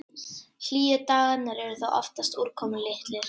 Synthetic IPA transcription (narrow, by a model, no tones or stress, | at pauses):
l̥iːɪt̪aːɣanɛɾɛɾʏθawʔɔ̰ft̪ast̪uɾ̥kʰɔmlɪht̪lɪɾ̥